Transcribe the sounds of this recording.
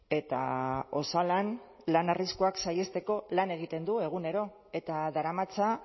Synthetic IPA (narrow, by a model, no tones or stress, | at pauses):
e̞t̪a̰o̞salan | lanariskuaksaje̞st̪e̞ko̞lane̞ɣ̞it̪e̞nd̪ue̞ɣ̞une̞ɾo̞ | e̞t̪aðaɾamat͡sa